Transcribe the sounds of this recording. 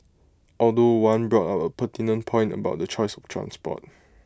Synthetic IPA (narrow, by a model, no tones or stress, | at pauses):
ʔɔldowãnbɹɔtapəpətinə̃npʰɔ̃ɪ̃ntə̰baʊt̚dət͡ʃɔɪsɔftʰɹã̰nspɔ̰t̚